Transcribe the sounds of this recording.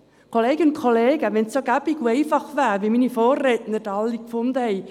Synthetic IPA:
kʰɔleːɡɪʊnkʰɔleːɡəvɛnsoɡabɪɡwejfaχvɛːrviminifɔːretnədalˠikfʊndəhej

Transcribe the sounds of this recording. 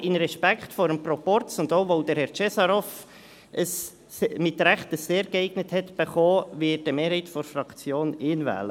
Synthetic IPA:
ɪnɾɛʃpæktfɔɾəmprɔpɔrtt͡sʊndoʊʋoʊd̥əɾhɛɾt͡ʃɛsɑɾɔf | ʔəs | mɪtɾɛχtəsːeːɾɡəɛɪɡ̥nəthɛt̪b̥əχɔːʋɪɪd̥əmeːɾhɛɪtfɔɾfɾɑkt͡sjoːnɪːnvæ̰ːlə

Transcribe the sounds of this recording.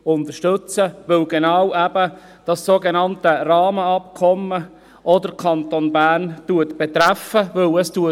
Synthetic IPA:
ʊnt̪əʃtɵt͡səʋɵlɡenɑwʔæb̥ə | d̥ɑsːoːɡenɑntərɑːməɑpkʰɔmə | ʔɔdəkʰɑnt̪onbæːntuətb̥ɛt̪ɾæfəʋɵləstuə

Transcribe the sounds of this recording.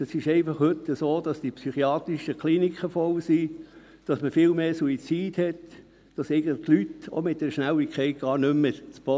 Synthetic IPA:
ɛsɪʃɛɪfɑχhʉt̪ːəsoːd̥ɑsd̥ipsyχiɑːt̪ɾiʃəkχlinikχəfɔlsi | d̥ɑsməfɪlmeːsuit͡siːd̥hɛt | d̥ɑsɛɪɡən̩tlχtlyto̰mɪt̚dɛɾʃnælikʰɛɪt̚ɡ̥ɑːɾnʏmːət͡sb̥ɔ

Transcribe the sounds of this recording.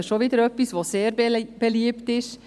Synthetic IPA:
ʃoʋiːd̪əɾœpːɪsʋoːseːɾb̥ɛliːpt̪ɪʃ

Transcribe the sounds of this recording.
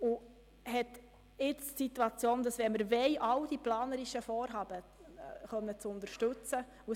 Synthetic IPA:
ʊ | hɛt | ɪt͡ssituɑt͡sjoːnd̥ɑsʋɛməɾvɛɪʔɑwd̥iplɑːnəɾiʃəfɔːɾɦɑːb̥əχœmːət͡sʊnd̪əɾʃtɵt͡sə | u

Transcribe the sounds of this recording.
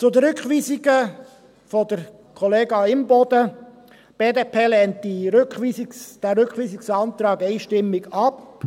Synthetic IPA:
t͡sʊd̪əɾʏkχʋiːsɪɡə | fɔd̪əɾ | kʰɔleːɡɑɪmbɔd̪ə | b̥eːd̪eːpʰeːlɛntiɾøkχʋiːsisd̥æɾʏkχʋiːsɪksɑnt̪ɾɑːɡɛɪʃtɪmːɪɡɑp

